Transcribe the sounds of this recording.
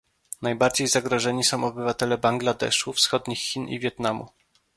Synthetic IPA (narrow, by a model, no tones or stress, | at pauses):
najbaɾd͡ʑejzaɡɾɔʐɛɲisɔ̃w̃ɔbɘvat̪ɛlɛbaŋɡlad̪ɛ̰ʂufsxɔd̪ɲixːʲinḭvʲjɛt̪namṵ